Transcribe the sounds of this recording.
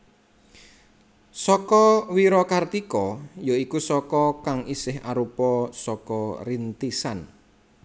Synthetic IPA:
sɔkɔwiɾɔkart̪ikɔjoikusɔkɔkaŋisɪɦa̰ɾupɔsɔkɔɾint̪isan

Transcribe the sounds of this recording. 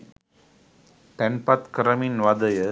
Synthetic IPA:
ʈɛnpɐt̪kɐɾɐmɪnʋɐd̪ɐjɐ

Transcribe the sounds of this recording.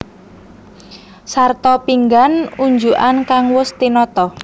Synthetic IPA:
sart̪ɔpiŋɡanuɲd͡ʒuʔankaŋwʊst̪inɔt̪ɔ

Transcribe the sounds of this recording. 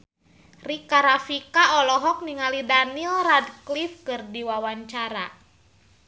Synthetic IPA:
rikaɾafikaɔlɔɦɔk̚niŋalidanilradklifkɨrdiwawaɲt͡ʃaɾa

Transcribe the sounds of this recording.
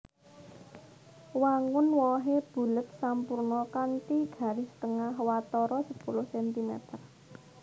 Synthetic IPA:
waŋʊnwɔɦeb̥ṳlɪp̪̚sampurnɔkant̪iɡ̥ä̤ɾɪst̪əŋaɦwat̪ɔɾɔsəpulʊhsɛnt̪imɛ̰t̪ər

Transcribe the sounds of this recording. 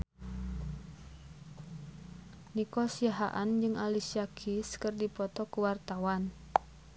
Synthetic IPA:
nikɔsiaɦa̰ʔand͡ʒɨŋʔalisiakʰiskɨrdipɔt̪ɔkuwart̪awan

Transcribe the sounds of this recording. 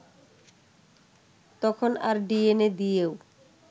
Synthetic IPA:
t̪ɔkʰona̰ɾɖiened̪ijew

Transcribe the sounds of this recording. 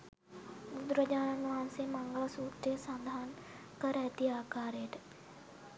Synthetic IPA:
ɡʊd̪ɾɐd͡ʒaːnɐnʋaːnsemɐ̃ŋɡəɭsuːkʈesãnd̪ʱaːn | kɐɾɛt̪iaːkaːɾeʈ

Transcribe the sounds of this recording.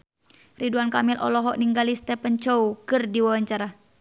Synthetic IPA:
riduankamilʔɔ̰lɔɦɔʔniŋɡalist̪ɛpənt͡ʃoukɨrdiwawaɲt͡ʃaɾa

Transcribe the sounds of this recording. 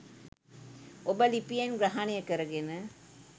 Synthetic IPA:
ʔobəlipijenɡɾɐɦanijɐkɐɾɐɡenə

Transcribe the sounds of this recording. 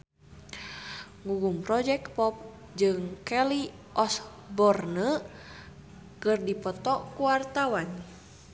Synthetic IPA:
ŋuɡumpɾɔd͡ʒɛk̚pɔp̚ | d͡ʒɨŋkɛli | ʔɔs | bɔrnə | kɨrdipɔt̪ɔkuwart̪awan

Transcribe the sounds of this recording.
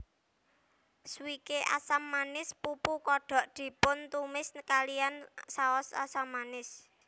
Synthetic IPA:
swikeʔa̰samːanɪspupukɔɖ̥ɔ̤ʔd̪̥i̤pʊnt̪umɪskalijansaɔsa̰samːanɪs

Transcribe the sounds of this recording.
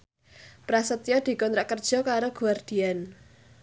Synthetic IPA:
pɾasət̪jɔd̪̥i̤kɔnt̪ɾaʔkərd̥ʒ̥ɔ̤kaɾoɡ̥ṳard̪̥i̤an

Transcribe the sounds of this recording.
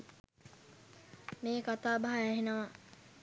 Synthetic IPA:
meːkat̪aːbaɦaæɦenəʋa

